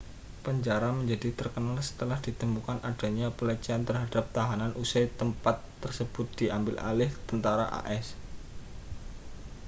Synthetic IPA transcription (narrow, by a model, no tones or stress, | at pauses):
pəɲd͡ʒaɾaməɲd͡ʒadit̪ərkənalsə̥t̪əlahd̥it̪əmukanʔad̥a̤ɲapələt͡ʃiant̪ərɦad̥ap̚t̪aɦananʔusajt̪əmpat̪ːərsəb̥ʊt̪̚d̥iambɪlʔa̰lɪht̪ənt̪aɾa̰ʔa̰ʔɛs